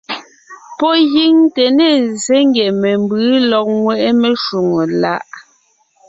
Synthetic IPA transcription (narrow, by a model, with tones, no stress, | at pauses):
pɔ˦ji˦ŋte˨ne˦˨ze˦ŋɡjɛ˨mɛ˨mbɯ˨˦lɔ˨k̚ŋwɛ˦˨ʔɛ˦me˨ʃu˨ŋo˨la˦ʔ